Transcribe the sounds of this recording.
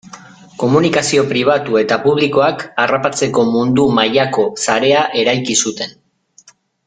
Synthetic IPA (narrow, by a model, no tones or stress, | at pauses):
ko̞munikasio̞pɾiβ̞at̪ue̞t̪apuβ̞liko̞akarapat͡se̞ko̞mund̪umajako̞saɾe̞aʔe̞ɾajkisut̪e̞n